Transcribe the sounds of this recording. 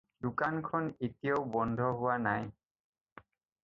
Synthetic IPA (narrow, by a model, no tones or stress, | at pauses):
dukankʰɔnitijowbɔnd̪ʱɔɦʊwanaj